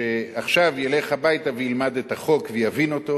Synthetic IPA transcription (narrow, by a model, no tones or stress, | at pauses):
eaχʃavjele̞χhabajtavejilmad̪etaχo̞kvejavino̞to̞